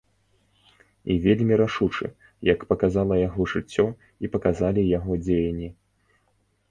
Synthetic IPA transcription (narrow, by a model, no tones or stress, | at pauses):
ivʲelʲmʲiɾaʂut͡ʂɨ̰ | jɐkpɐkazalˠɐjaɣɔʐɨt͡sʲːɔ | ipɐkazalʲijaɣɔd͡zʲejɐnʲːi